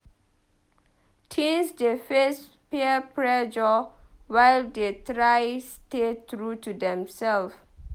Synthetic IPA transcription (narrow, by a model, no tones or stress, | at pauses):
tʰĩnsdefes | peəpɹɛd͡ʒɔ | wajldetɾajstet̪ɾutudɛ̃msɛlf